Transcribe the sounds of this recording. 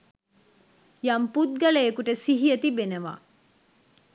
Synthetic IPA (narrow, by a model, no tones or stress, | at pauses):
jamput̪̚ɡɐlejekuʈəsiɦiət̪ibenəʋa̰ː